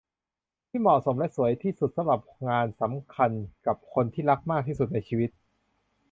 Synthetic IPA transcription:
t̪ʰiː˥˩mɔ˨˩so˩˦mlɛ˦˥ʔsu˩˦əjt̪ʰiː˥˩su˨˩t̪̚sa˧mɾa˨˩p̚ŋaː˧nsa˩˦mkʰa˧nka˨˩p̚kʰo˧nt̪ʰiː˥˩ɾa˦˥k̚maː˥˩k̪̚ʰiː˥˩su˨˩t̪̚na˧jt͡ɕʰiː˧wi˦˥t̪̚

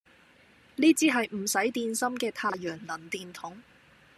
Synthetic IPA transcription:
liː˥t͡siː˥ɦɐ˨jm̩˨˩sɐ˨˥jt̪iː˧nsɐ˥mkɛː˧t̪ʰaː˧jœː˨˩ŋlɐ˨˩nt̪iː˧nt̪ʰʊ˨˥ŋ

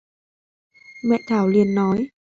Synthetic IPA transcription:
mɛ̰˧˨t̪ʰaː˧˩wli˧ənːɔ˨˦j

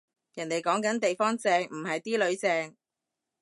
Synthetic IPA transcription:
jɐ˨˩ne˨jkɔː˨˥ŋkɐ˨˥nt̪e˨jfɔː˥ŋt͡sɛː˧ŋm̩˨˩hɐ˨jt̪iː˥lɵ˨˧˥ɥt͡sɛː˧ŋ

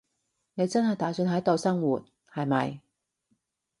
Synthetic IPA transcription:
ne˨˧jt͡sɐ˥nɦɐ˨jt̪aː˨˥sy˧nɦɐ˨˥t̪o˨˧wsɐ˥ŋwuː˨t̚ | hɐ˨jmɐ̰˨j

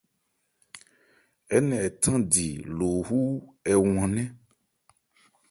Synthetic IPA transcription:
ɛ˦nɛ̃˨ɛ˨t̪ʰã˦di˨lo˨ɦu˦ɛ˨w̃ɔ̃˨nɛ̃˦

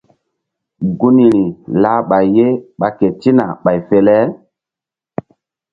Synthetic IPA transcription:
ɡu˦ni˨ɾi˨la˦ɓa˨jje˦ɓa˨ke˨ti˦na˨ɓa˨jfe˦lɛ˦

